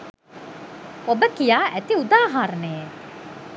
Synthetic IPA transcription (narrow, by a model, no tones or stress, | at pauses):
obəkijaːʔæt̪iud̪aːɦaɾneː